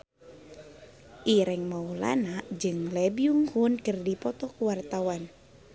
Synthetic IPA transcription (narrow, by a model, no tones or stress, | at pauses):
ʔiɾɛŋmaula̰naʔd͡ʒɨŋlɛbiuŋhunkɨrdipɔt̪ɔkuwart̪awan